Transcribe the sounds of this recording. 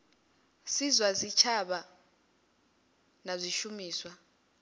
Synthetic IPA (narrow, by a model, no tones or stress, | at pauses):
sizwazit͡ʃʰaɓa | nazʷiʃumiːswa